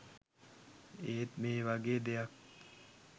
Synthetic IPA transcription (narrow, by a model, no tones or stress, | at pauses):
et̪meβaɡed̪eak̚